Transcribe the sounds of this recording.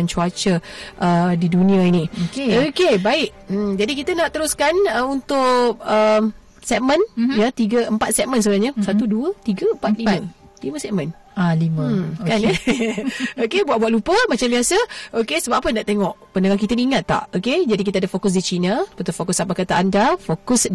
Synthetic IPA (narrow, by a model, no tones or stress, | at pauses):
ant͡ʃuat͡ʃəʔədidunĩainiokeokebaɪʔ̚ | d͡ʒadikit̪ənaʔt̪əɾʊskanəunt̪ʊʔə | sɛʔ̚mə̃njat̪iɡəəmpat̪̚sɛʔ̚məns̬əbənaɲəsat̪uduət̪iɡəəmpat̪̚limə | liməsɛʔmə̃n | aliməkanə | bokebuat̪ʔ̚buaʔlupəmat͡ʃambiasəokesəbaapənaʔt̪eŋɔʔpəndəŋakit̪əniŋat̪ːa̰ʔoked͡ʒadik̬it̪əadəfokʊs̬dit͡ʃinəpət̪ʊfokʊsapakat̪aandafokʊs